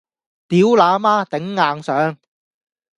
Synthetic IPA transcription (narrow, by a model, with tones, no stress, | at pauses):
t̪iː˨˥wlaː˨˧maː˥t̪ɪ˨˥ŋːaː˨˧ŋsœː˨˥ŋ